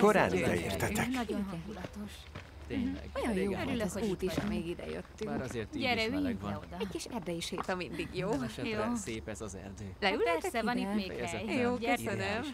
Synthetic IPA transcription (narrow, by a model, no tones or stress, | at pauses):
koɾa̰ːnid̪ɛḛːrt̪ɛt̪ɛnɒɟonɛud̪ɒt̪oʃ | t̪eːɲlɛ̰ɡojɒnjoːøɾyløzhouːt̪iʃmeːɡid̪ɛ̰jø̰t̪ːymːkzert̪ɟɛɾɛyɡod̪ɛɟʲkiʃɛrd̪ɛjiʃheːt̪ɒmind̪iɡjoːʃjoːseːpɛzɒzɛ̰rd̪øːlɛylɛɛɾɛsɛvɒnit̪meːɡɛjjoːøsønøm